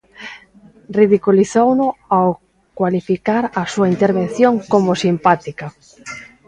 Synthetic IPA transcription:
riðikuliθownʊaw | kwalifikaɾasuaint̪eɾβen̟θjoŋkomʊsimpat̪ika

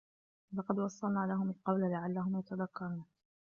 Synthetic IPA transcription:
lɑqɑd̪wɑsˤːɑlnaːlaɦʊmalqɑwlalaʕalːaɦʊmjat̪aðakːɑɾˤuːn

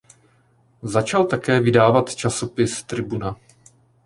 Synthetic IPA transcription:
zat͡ʃalt̪akɛːvɪdaːvat̪t͡ʃaso̞pɪst̪ɾɪbuna

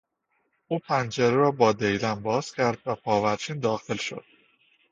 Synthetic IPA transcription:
ʔuːpʰænt͡ʃʰeɾeɾɒːbɒːd̪ejlænbɒːz̥cʲʰæɾd̪væpʰɒːvæɾt͡ʃʰiːnd̪ɒːxelʃo̞̰d̪̥̚

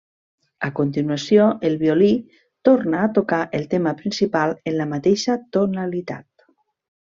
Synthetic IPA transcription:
akont̪inuasjoʔelˠβioli | t̪oɾnaːt̪okaʔelˠt̪emapɾinsipalˠenlamat̪eʃat̪onalit̪a̰t̪

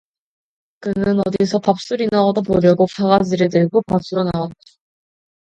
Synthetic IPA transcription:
kɯnɯnʌdisʰʌpap̚s͈uɾinaʌdomoɾjʌɡopʰaɡad͡ʑiɾedeɭɡopasʰuɾonawat̚t͈ḁ

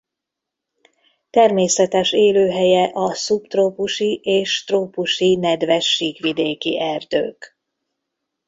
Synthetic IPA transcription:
t̪ɛrmeːsɛt̪ɛʃeːløːɦɛjɛʔɒsupt̪roːpuʃiʔeːʃt̪roːpuʃinɛd̪ʋɛʃːiːkʋid̪eːkḭʔɛrd̪ø̰ːk

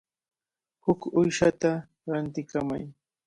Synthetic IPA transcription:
hʊkʊjʃat̪a | ɾant̪ɪkama̰j

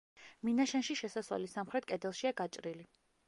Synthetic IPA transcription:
minaʃɛnʃiʃɛsaswa̰lisamχɾɛt̪̚kʼɛd̪ɛlˠʃiaɡat͡ʃʼɾili

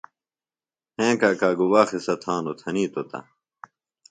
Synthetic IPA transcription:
hẽːkaːkaːɡuwaːxesɐt̪ʰãːnot̪ʰɐniːt̪ot̪ɐ̰

